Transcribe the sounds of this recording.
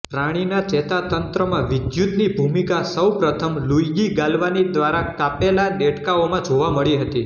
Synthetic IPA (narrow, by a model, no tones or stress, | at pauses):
pɾaɽ̃inat͡ʃɛt̪at̪ənt̪ɾəmãʋɪd̪jut̪nibʱumikasəwpɾət̪ʰəmlujɡiɡalʋanid̪ʋaɾakapelaneʈkaomãd͡ʒʱoʋaməɭiɦət̪i